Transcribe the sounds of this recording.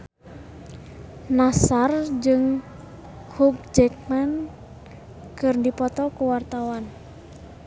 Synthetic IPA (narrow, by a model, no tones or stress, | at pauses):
nasard͡ʒɨŋ | kʰub̚d͡ʒɛk̚man | kɨrdipɔt̪ɔkuwart̪awan